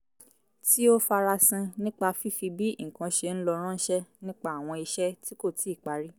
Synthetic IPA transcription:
ti˦o˦fa˧ɾa˧sĩ˧nĩ˦k͡pa˧fi˦fi˧bi˦ŋ̩˨kã˧ʃe˧n̩˦lɔ˧ɾ̃ã˦n̩˦ʃɛ˦nĩ˦k͡pa˦˨w̃ɔ̃˧i˧ʃɛ˦ti˦ko˦˨tʰi˨˦i˦˨k͡pa˨˦ɾi˦

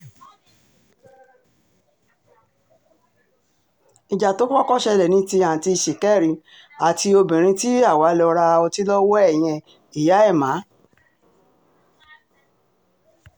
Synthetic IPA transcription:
i˨d͡ʒa˨to˨˦k͡pɔ˦kɔ˦˨ʃɛ˧lɛ˨nĩ˦ti˧ã˨ti˧˨ʃi˨kɛ˦˨ɾĩ˨˧˦ | a˨ti˧o˧bĩ˨ɾ̃ĩ˧ti˦a˦˨wa˨˦lɔ˧ɾa˧ɔ˧ti˦lɔ˦wɔ˦ɛ˦˨j̃ɛ̃˧ | i˨ja˨˦ɛ˦˨mãː˨˦

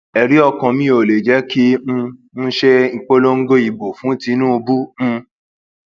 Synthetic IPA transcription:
ɛ˨ɾi˨˦ɔ˧kɔ̃˧mĩ˦o˨le˨d͡ʒɛ˨˦kĩ˦˧ | n̩˦ʃe˦ŋ̩˧k͡po˦lo˦ŋ̩˦ɡo˦i˨bo˨fũ˨˦ti˧˦nũ˦o˧bu˦m̩̃˧

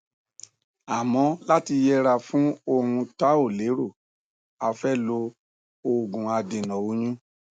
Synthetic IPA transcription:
a˨mɔ̃˨˦la˦ti˧jɛ˦ɾa˧fũ˦o˧ɾ̃ũ˧ta˦o˦˨le˨˦ɾo˦˨ | a˧fɛ˦lo˧ | o˧ɡũ˨a˧de˨nɔ̃˨o˨˦ɲũ˦

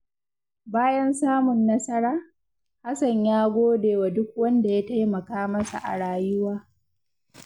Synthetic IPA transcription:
baː˦jɐ˦nsaː˦mʊ˨nːɐ˦sɐ˦ɽaː˦ | ha˦sɐ˨ɲjaː˦ɡʷoː˦deː˨wa˨dʊ˦k̚wɐ˦nda˨ja˦ta˦jmɐ˨kaː˦mɐ˦sa̰˨ʔa̰˨ɽaː˨jʊ˦waː˦

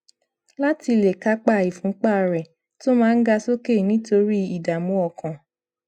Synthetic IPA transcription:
la˦ti˧le˨ka˦k͡pa˦˨i˨fũ˦k͡pa˦˨ɾɛ˨ | to˦mãː˦˧n̩˦ɡa˧so˦ke˦˨nĩ˦to˧ɾi˦i˨da˨mũ˨˦ɔ˧˨kã˨

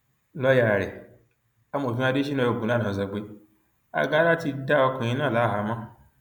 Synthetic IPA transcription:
lɔ˦ja˨ɾɛ̰˨ | a˧m˨o˨fĩ˦a˧de˦i˦nã˧jo˨˧˨ɡũ˨a˨˦˨ã˨za˨ɡ͡be˧ | a̰˧ɡa˦ɾa˦˨ti˧da˦ɔ˧kɔ̃˨ĩ˧˦nãː˦˨la˨˦˨ɦa˧˦mã˦

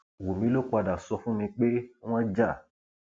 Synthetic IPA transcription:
wo˨mĩ˨˦lo˦k͡pa˧da˨sɔ˧fũ˦mĩ˧k͡pẽ˦ã˦d͡ʒa˦˨

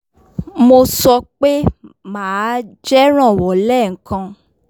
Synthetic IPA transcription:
mo˧sɔ˧k͡pe˦mãː˨˦d͡ʒɛ˦ɾ̃ã˦˨wɔ˨lɛ˦˨ŋ̩˨kã˧

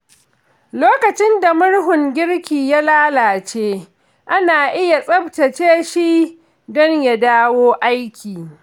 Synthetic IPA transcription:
loː˦kɐ˨t͡ʃɪ˦nda˨mʊ˦ɽɦʊ˨ŋɡʲɪ˦ɽkʲiː˨ja˦laː˦laː˨t͡ʃeː˦ | ʔa˦naː˨ʔɪ˦ja˨sʼɐ˦btɐ˨t͡ʃeː˦ʃi˦ | dɔ˦ɲja˨daː˦woː˦ʔa˦jkʲiː˨

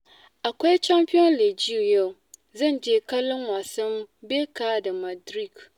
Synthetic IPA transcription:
a˨kɛ˦t͡ʃa˦mpi˦ɔ˦n˦le˨d͡ʒi˦u˨jɛ˦˨ | zɨ˦˨nd͡ʒe˨ka˦lɨ˦ŋwa˨sɨ˦m˦be˦kaː˦dɨ˨ma˨dɾi˦˨k

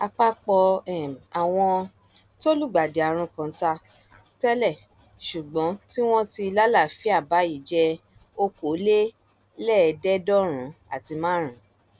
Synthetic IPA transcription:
a˧k͡pa˦k͡pɔ˧ɛ˨m˨a˨w̃ɔ̃˧ | to˦lu˦˨ɡ͡ba˨de˨a˨ɾ̃ũ˧kã˨˦ta˧ | tɛ˦lɛ˦˨ | ʃu˨ɡ͡bɔ̃˨˦ti˦w̃ɔ̃˦ti˧la˦la˦˨fi˨˦a˦˨ba˨˦i˦˨d͡ʒɛ˧ | o˧ko˨˦le˦ | lɛː˦˨˧dɛ˦dɔ˦ɾ̃ũ˨˦a̰˨ti˧mãː˦ɾ̃ũ˨˦

